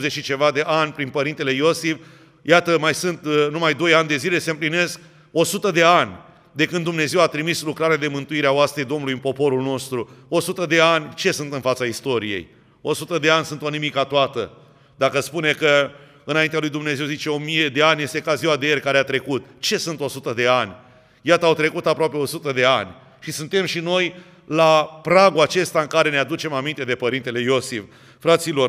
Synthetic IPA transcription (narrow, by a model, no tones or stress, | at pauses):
zeʃit͡ʃe̞vad̪e̞ʔanʲpɾinpəɾint̪e̞le̞jo̞sif | jat̪əmajsɨnt̪numajd̪o̞janʲd̪e̞zile̞seɨmpline̞sk̚ | o̞sut̪əd̪e̞anʲ | d̪e̞kɨnumne̞ze̞wat̪ɾimislukɾaɾead̪e̞mɨnt̪uiɾeaoast̪ɾed̪o̞mnulujɨnpo̞po̞ɾulno̞st̪ɾuo̞sut̪əd̪e̞anʲt͡ʃe̞sunt̪ɨnfat̪saist̪o̞ɾije̞̰j | o̞sut̪əd̪e̞anʲsunt̪o̞nimikat̪oat̪ə̰ | d̪akəspune̞kə | ɨnaint̪ealujd̪umne̞zewzit͡ʃe̞o̞mije̞d̪e̞anʲje̞st̪e̞kaziwad̪eerʲkaɾeat̪ɾe̞kut̪t͡ʃe̞sunt̪o̞sut̪əd̪e̞anʲ | jat̪əːwt̪ɾe̞kut̪apɾoape̞o̞sut̪əd̪e̞anʲ | ʃisunt̪e̞mʃino̞j | lapɾaɡuat͡ʃe̞st̪aɨŋkaɾe̞nead̪ut͡ʃe̞mamint̪e̞d̪e̞pəɾint̪e̞le̞jo̞sif | fɾat̪silo̞r